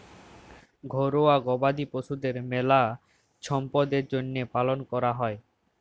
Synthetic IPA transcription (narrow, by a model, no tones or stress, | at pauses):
ɡʱoɾoaɡɔbad̪ipoʃud̪eɾmɛla | ʃɔmpɔd̪eɾd͡ʑonːepalonkɔɾaɦɔe